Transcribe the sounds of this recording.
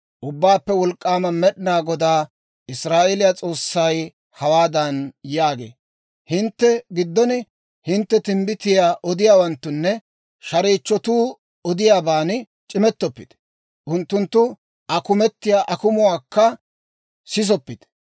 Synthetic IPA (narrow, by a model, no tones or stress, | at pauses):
ʔʊbːaːpːɛwɔlkʼːaːmɐmɛɗɪnaːɡɔd̪aː | ɪsɾaːʔɛlɪjat͡sʼo̞ːsːɐj | hɐwaːd̪ɐnjaːɡḛː | hɪnt̪ːɛɡɪd̪ːɔnɪ | hɪnt̪ːɛt̪ɪmbɪt̪ɪjaːʔɔd̪ɪjaːwɐnt̪ːʊnːɛ | ʃɐɾiːt͡ʃːɔt̪uː | ɔd̪ɪjaːbaːnɪ | t͡ʃʼɪmɛt̪ːɔpːɪd̪̥ | ʔʊnt̪ːʊnt̪ːʊ | ɐkʊmɛt̪ːɪjaːʔɐkʊmʊwaːkːɐ | sɪs̬ɔpːɪd̪